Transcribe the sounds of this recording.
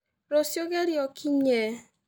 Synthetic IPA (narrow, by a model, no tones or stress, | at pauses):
ɾosjoɡeɾjɔkʰiɲe